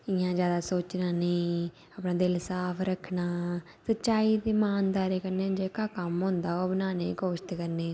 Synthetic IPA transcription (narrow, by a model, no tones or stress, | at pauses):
ɪjãːd͡ʒjaːd̪aːsoːt͡ʃnaːnẽː | aːpnãːd̪ɪlsaːpʰɾəkʰnaː | sət͡ʃaːiːt̪iːmaːnd̪aːɾeːkəɾneːd͡ʒeːkaːkəmɦõːnd̪aːoːbənaːnḛːkoːʃt̪kəɾneː